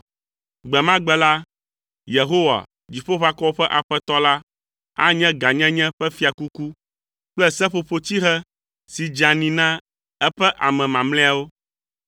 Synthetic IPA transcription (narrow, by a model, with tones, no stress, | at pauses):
ɡ͡bɛ˨mã˦ɡ͡bɛ˨la˦ | je˨ɦo˦wa̰˨ | d͡ʑi˨ɸo˦ɸa˦kɔ˦o˦ɸɛ˦ʔa˨ɸɛ˦t̪ɔ˦la˦ | a̰˦ɲɛ̃˦ɡa˨ɲɛ̃˦ɲɛ̃˦ɸɛ˦fi˦a˨ku˦ku˦ | k͡plɛ˦sɛ˦ɸo˨ɸo˦t̪i˦ɦɛ˦ | si˨d͡ʒa˨nĩ˨nã˦ | ɛ˦ɸɛ˦ʔa˨mɛ̃˨mã˨mlɛ̃˦a˨wo˦